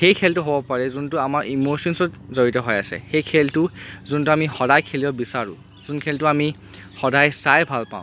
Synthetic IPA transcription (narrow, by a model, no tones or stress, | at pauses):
xejkʰɛltʊɦobɔpaɹɛzuntʊamaɹimosɔnsɔtzoɹitɔɦɔjasɛ̰xejkʰɛltʊzuntuamixɔdajkʰelijɔbisaɹʊ̰̃ | zunkʰɛltʊami | xɔdajsajbʱalpa̰ʊ̃